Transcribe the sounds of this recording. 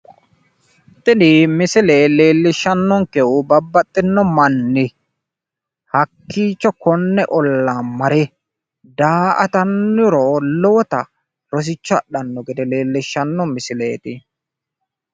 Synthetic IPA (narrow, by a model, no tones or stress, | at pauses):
t̪ʼːɪd̪ɪmɪsɪleleːlːɪʃːɐnːɔŋkɛwʊbɐbːɐt̪ʼːɪnːɔmɐnːɪ | hɐkːiːt͡ʃːɔkɔnːɛʔɔlːaːmɐɾɛ | d̪aːʔɐ̰t̪ɐnːʊɾɔlɔwɔt̪ɐ | ɾɔs̬ɪt͡ʃːɔɐ̰ɗɐnːɔɡɪd̪ɛleːlːɪʃːɐnːɔmɪsɪlḛːt̪ɪ